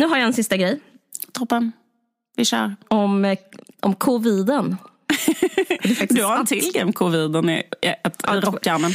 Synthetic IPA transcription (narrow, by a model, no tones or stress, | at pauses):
nʉ̟ːɦaɾjaɛnsɪst̪aɡɾɛj | t̪ʰɔpːən | vɪʃa̰ɾɔmʔɔ̰mkʰʊviːd̪ən | d̪ɛfak̚td̪aɾɛt̪ʰɪlɡɛɔmkʰʊviːd̪ənɪ̰ɛt̪ɾɔkːamən